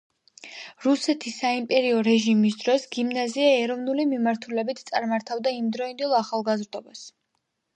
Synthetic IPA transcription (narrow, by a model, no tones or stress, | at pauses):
ɾusɛt̪ʰisːaimpʼɛɾiɔɾɛʒimis̬d̪ɾɔsɡimnaziaɛɾɔvnulimimaɾt̪ʰulɛbit̪ʰt̪sʼaɾmaɾt̪ʰavd̪aimd̪ɾɔind̪ɛlˠaχalˠɡazɾd̪ɔbas